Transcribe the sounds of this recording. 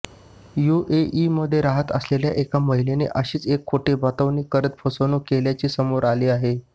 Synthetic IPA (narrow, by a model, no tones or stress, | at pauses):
juʔeʔiməd̪ʱːjeɾaɦət̪əslelja̰ʔekaməɦilenḛʔəɕiːt͡sekʰːoʈebat̪əʋnikːəɾət̪̚fʰəsonuːkeljat͡ɕiːsəmoɾaliːaɦe